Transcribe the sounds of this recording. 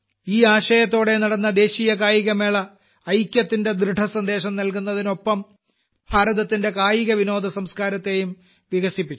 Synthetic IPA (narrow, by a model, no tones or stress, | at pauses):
iːaːɕɐjɐt̪ːo̞ːɽe̞nɐɽɐnːɐd̪e̞ːɕijɐkaːjiɣɐmeːɭɐː | jkʲjɐt̪ːinde̞d̪ɾɨɖʱɐsɐnd̪e̞ːɕɐmnɐlkunːɐðino̞pːɐm | bʰʱaːɾɐðɐt̪ːinde̞kaːjiɣɐʋino̞ːd̪ɐsɐmskaːɾɐt̪ːe̞ːjum | ʋiɣɐsipːit͡ɕːu